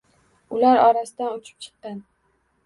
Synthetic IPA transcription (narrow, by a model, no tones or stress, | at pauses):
ʊlaɾɒɾasɪd̪anʊt͡ʃʰɪ̥p̚t͡ʃʰɨ̥qːɑn